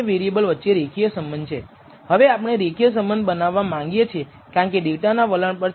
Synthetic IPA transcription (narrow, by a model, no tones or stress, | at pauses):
eʋeɾijebəlʋətːʃeɾekʰijəsəmbənt͡ʃʰe | həʋeapəɳ̃eɾekʰijəs̬əmbənd̪bənaʋːamãŋɡjet͡ʃʰie | kjaɳkediʋʈanaʋəlaɳpəɾ